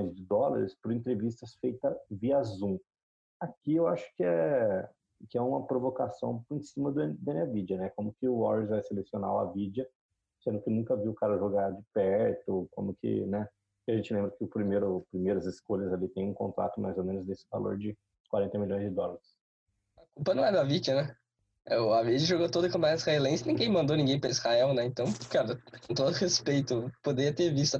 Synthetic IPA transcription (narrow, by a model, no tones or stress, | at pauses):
j̃zd͡ʒɪd̪ɔlɐ̰ɾɪspʊɾẽnt̪ɾevis̬t̪ɐsfejt̪ɐviazũ | akiewaʃʊ̥kɪɛ | kɪɛũmɐpɾovokasɐ̃w̃ẽsĩmɐd̪ʊd̪ẽnavid͡ʒɐnɛkõmʊkɪʊɔɾizvajselesiona̰wɐ̰vid͡ʒɐ | sẽnd̪ʊkɪnũkɐviwʊkaɾɐʒoɡad͡ʒɪpɛɾt̪ʊkõ̰mʊkʰɪ̰nɛ | iaʒẽnt͡ʃɪlẽbɾɐkɪʊpɾimejɾʊpɾimejɾɐzɪskoʎɐzalit̪ẽj̃ũkõnt̪ɾa̰t̪ʊma̰jzomẽnʊzd̪esɪ̥va̰lo̰ɾd͡ʒɪ | kwaɾẽnt̪ɐmilʲõj̃zd͡ʒɪd̪ɔlɐɾɪs | ɐkupɐnɐ̃w̃ɛd̪ɐvid͡ʒɐnɛ | ɛʊavid͡ʒɐʒoɡot̪od̪ɐkɐ̃mpɐ̃ɲad̪ɪshaɛlẽj̃sɪnĩɡẽj̃mɐ̃nd̪onĩɡẽj̃pɾɐizhaɛwnɛẽnt̪ɐ̃w̃kaɾɐkõt̪od̪ʊhespejt̪ʊpod̪eɾiɐt̪eɾvist̪ʊ